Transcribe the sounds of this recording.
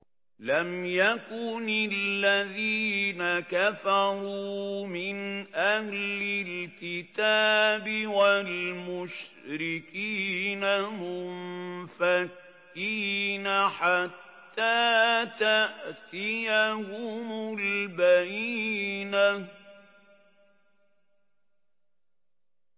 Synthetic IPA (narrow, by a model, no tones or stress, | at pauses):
lamjakʊnɪlːaðiːnakafaɾuːmɪnʔahlɪlkɪt̪aːbɪwalmʊʃ | ɾɪkiːnamʊ | fakː | iːnaħat̪ːaːt̪aʔt̪ɪjahʊmʊlbajiːna